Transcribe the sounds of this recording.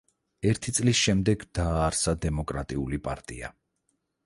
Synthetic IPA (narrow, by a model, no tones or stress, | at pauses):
ɛɾt̪ʰit̪sʼlisʃɛmd̪ɛɡd̪̥aːɾsad̪ɛmɔkʼɾat̪ʼiulipʼa̰ɾt̪ʼḭa̰